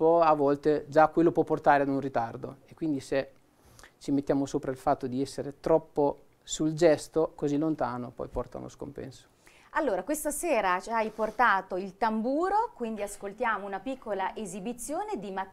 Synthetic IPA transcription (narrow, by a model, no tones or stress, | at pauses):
pɔavːɔlt̪ed͡ʒakːwelːopwɔpːort̪aːɾead̪unrit̪ard̪oekːwind̪ise | t͡ʃimet̪ːjaːmosoːpɾailfat̪ːod̪iɛsːeɾet̪ɾɔpːo | suld͡ʒɛst̪okozilːont̪aːnopɔ̰jpɔ̰rt̪a̰lo̰sko̰mpɛ̰nso̥ | alːoːɾakwest̪aseːɾat͡ʃajport̪aːt̪oilt̪ambuːɾokwind̪iaskolt̪jaːmounapikːolaʔezibit̪sːjoːned̪ima